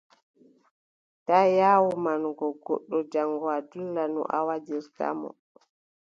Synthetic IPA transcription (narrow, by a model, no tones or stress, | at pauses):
tajaːwumanɡɔɡɔ̰ɗːɔd͡ʒaŋɡɔadulːanɔ̰ʔawad͡ʒiɾta̰mɔ̰